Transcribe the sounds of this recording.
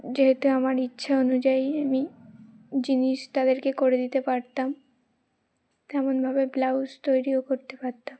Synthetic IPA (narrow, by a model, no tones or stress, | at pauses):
d͡ʑeɦet̪uamaɾitːɕʰaonud͡ʑaiami | d͡ʑiniʃt̪ad̪eɾkekoɾed̪it̪epaɾt̪am | t̪ɛmonbʱabeblawst̪ojɾiokoɾt̪epaɾt̪am